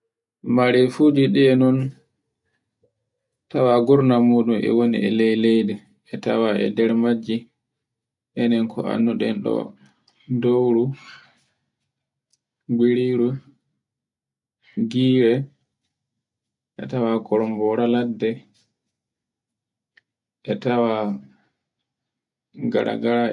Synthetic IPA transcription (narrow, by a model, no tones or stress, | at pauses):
maɾɛfud͡ʒiɗɛɛnɔn | tawaɡuɾnamuːɗumʔɛ̰wonḭʔɛ̰lɛjlɛjdɛ | ɛta̰waɛ̰dɛɾmad͡ʒːi | ʔɛnɛnkʰɔ̰a̰nːuɗɛnɗɔ̰ | dowɾu | ɡiɾiɾu | ɡiːɾɛ | ʔɛ̰tawakɔɾɔmbɔɾaladːɛ | ʔɛtawa | ɡa̰ɾa̰ɡaɾa